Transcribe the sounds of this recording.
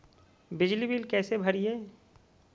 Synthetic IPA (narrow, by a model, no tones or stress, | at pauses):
bɪd͡ʒlibiːlkɛːsebʱɐɾieː